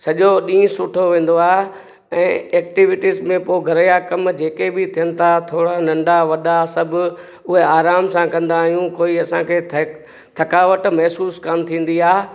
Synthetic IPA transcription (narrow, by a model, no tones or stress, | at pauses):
sɐʄoɗĩːʊ̃sʊʈʰoʋẽːn̆d̪oaːɦ | ɛ̃ːeːkʈiʋɪʈizmẽpoːɪɡʱɐɾəjakɐmd͡ʑeːkebɪt̪ʰijənɪ̆t̪ʰat̪ʰoːɽanɐ̃ɳɖaʋɐɗasɐbʱʊ̆ | ʊɦeaːɾaːmsãkɐ̃nd̪aːɦijũkoːiɐsãkʰeːt̪ʰ | t̪ʰɐkaːʋəʈmɐɦsuːskamt̪ʰĩːn̆d̪iaː